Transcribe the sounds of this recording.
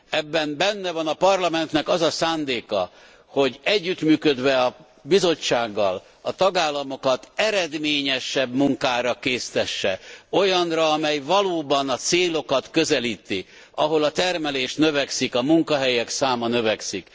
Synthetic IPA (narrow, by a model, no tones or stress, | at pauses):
ɛbːɛmbɛnːɛvɒnɒpɒrlɒmɛnt̪nɛkɒzɒsaːnd̪eːkɒ̰ | ho̞ɟɛɟːyt̪myːkød̪ʋɛɒ | bizo̞t͡ʃːaːɡːɒl | ɒt̪ɒɡaːlːɒmo̞kɒt̪ɛɾɛd̪meːɲɛʃɛbmuŋkaːɾɒkeːst̪ɛʃːɛo̞jɒnrɒːmɛjvɒloːbɒnɒt̪seːlo̞kɒt̪kø̞zɛliːt̪i | ɒɦo̞lɒt̪ɛrmɛleːʃt̪nøvɛksikɒmuŋkɒɦɛjɛksaːmɒnø̞vɛksik